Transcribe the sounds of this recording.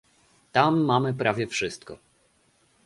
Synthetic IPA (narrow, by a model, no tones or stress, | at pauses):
t̪amːamɘpɾʔavʲjɛfʂɘst̪kɔ̰